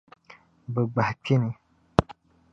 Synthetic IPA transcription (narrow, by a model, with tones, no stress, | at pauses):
bə˨ɡ͡ba˨hkʰi˦ni˨